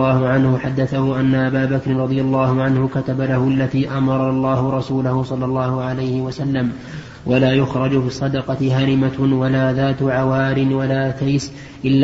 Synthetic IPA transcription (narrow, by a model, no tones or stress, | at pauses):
ɑːhʊʕanhʊħad̪ːaθahʊʔanːaʔabaːbakɾɪnɾˤɑd̪ˤɨjalːɑːhʊʕanhʊkat̪abalahʊʔalːaðiːʔamɑɾˤɑlˤːɑːhʊɾˤɑsuːlʊhʊsˤɑlːɑlˤːɑːhʊʕalajhɪwasalːam | wʔalaːjʊxɾˤɑd͡ʒʊfiːsˤːɑd̪ɑqɑt̪ɪhaɾɪmawalaːðaːt̪ʕawaːɾɪnwalaːt̪ajs | ʔɪlː